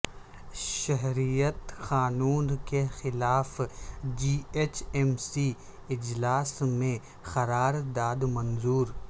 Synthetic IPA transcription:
ʃɐɦɾijət̪xaːnuːnkexɪlaːfd͡ʒiːet͡ʃʰɛmsi | ɪd͡ʒlaːsmẽ | xɐɾaːɾd̪aːd̪mɐ̃nzuːɾ

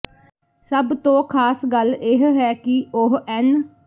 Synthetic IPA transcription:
səbt̪õːkʰaːsɡəlɪɦɦɛːkɪʊɦɛːn

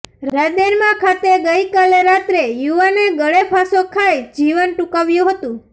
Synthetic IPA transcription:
ɾad̪eɾmãkʰat̪eɡəjkaleɾat̪ɾejuʋaneɡəɭepʰasokʰajd͡ʒiʋənʈukaʋjũɦət̪ũ

